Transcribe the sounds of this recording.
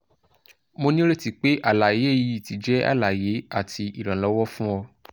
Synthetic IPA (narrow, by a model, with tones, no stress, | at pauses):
mo˧nĩ˦ɾe˦˨ti˨˧k͡pe˦ʔa˦˨la˨je˨˦˨ji˦˨ti˨˦d͡ʒɛ˦a̰˦˨la˨je˨˦a˦˨ti˧i˨ɾã˨lɔ˨˦wɔ˦fũ˦ɔ˧